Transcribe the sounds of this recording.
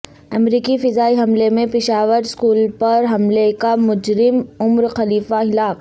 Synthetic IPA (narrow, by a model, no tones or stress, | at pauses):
ɐmɾiːkifɪzaːiɦɐmlemẽpɪʃaːʋəɾskuːlpɐɾɦɐmlekamʊd͡ʒɾɪmʊmɾxɐliːfaɦɪlaːk